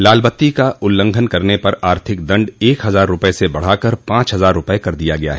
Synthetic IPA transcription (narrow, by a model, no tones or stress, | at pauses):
laːlbət̪ːikaʔʊlːə̃ŋɡʱənkɐɾnepɐɾaːɾt̪ʰɪk̚d̪ɐ̃ɳɖeːkɦɐzaːɾːʊpesebɐɽ̤akɐɾpãːt͡ʃɦɐzaːɾːʊpɛekɐɾd̪ijaɡɐja̰ɦɛ